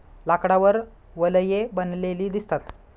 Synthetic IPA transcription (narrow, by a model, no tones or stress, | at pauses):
lakɽaʋəɾ | ʋələjebənleliːd̪ist̪at̪